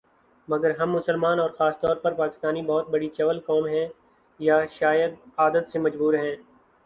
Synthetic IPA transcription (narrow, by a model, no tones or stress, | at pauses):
mɐɡəɾɦɐmːʊsəlmaːnɔːɾxaːst̪ɔːɾpɐɾpaːkɪ̥st̪aːnibɔːt̪̚bɐɽit͡ʃɐʋəlkɔːmɦɛ̃ː | jaʃaːjəd̪̚aːd̪ət̪semɐd͡ʒbuːɾɦɛ̃ː